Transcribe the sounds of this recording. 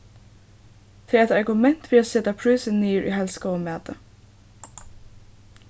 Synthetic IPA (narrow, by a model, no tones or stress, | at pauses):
t̪ʰɪːɛt̪ɑɹɡʊmɛn̥t̪fɪːasɛːt̪apʰɾuːsəniːɹʔḭɦɛlskamæːt̪ə